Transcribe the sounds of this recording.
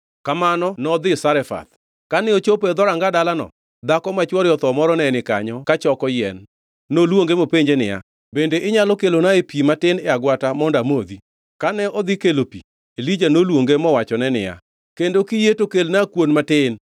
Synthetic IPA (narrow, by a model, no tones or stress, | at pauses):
kamanɔnɔd̪ɪsaɾɛfa̰t̪ | kanɪot͡ʃopɛd̪ɔɾaŋɡadalanɔ̰ | d̪akɔmat͡ʃwɔɾjɔt̪ɔmɔɾɔnɛnɪkaɲɔkat͡ʃɔkɔjɛ̰nː | olwoŋɡemopeɲd͡ʒenɪja̰ | bendeʔɪɲalɔkelonaepimatɪnɛaɡwatamɔndamod̪i | kanɛɔd̪ɪkelopḭ | elid͡ʒanolwoŋɡemɔwat͡ʃɔnɛnɪ̰ja̰ | kendokijetokelnakwonmatɪn